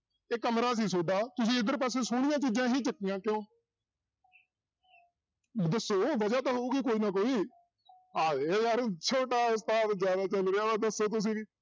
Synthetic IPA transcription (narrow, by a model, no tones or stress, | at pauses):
eːkəmɾaːs̬iːsoːɖaːt̪ʊsĩːɪd̪əɾpəs̬eːsʊɽ̃ɪjãːt͡ʃiːd͡ʒãːɦiːt͡ʃəkːɪjãːkɪjõː | d̪əsːoːʋəd͡ʒaːt̪aːɦouːkikoːiːnaːkoːiː | aːeːəɾt͡ʃʰoːʈaːʊst̪aːt̪zjaːd̪aːt͡ʃəlɾeaːaːd̪əsːoːt̪̬ʊs̬ĩːʋiː